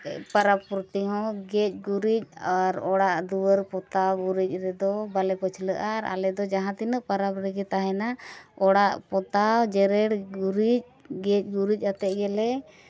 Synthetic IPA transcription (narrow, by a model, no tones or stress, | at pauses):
paɾabpuɾt̪iɦɔ̃ɡɛc̚ˀɡuɾic̚aɾɔɽaʔd̪uwəɾpɔt̪awɡuɾic̚ˀɾɛd̪ɔbalɛpɔt͡ʃʰləʔaɾa̰lɛd̪ɔd͡ʒaɦãt̪inəʔpaɾabɾɛɡɛt̪aɦɛnaɔɽaʔpɔt̪awd͡ʒɛɾɛɽɡuɾic̚ɡɛc̚ˀɡuɾic̚ˀat̪ɛʔ̚ɡɛlɛ